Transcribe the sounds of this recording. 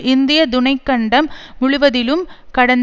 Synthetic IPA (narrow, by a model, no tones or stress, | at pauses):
ɪnd̪ɪjɐd̪ʊnɐɪkːɐɳɖɐmːʊɭʊʋɐðɪlɯmkɐɽɐn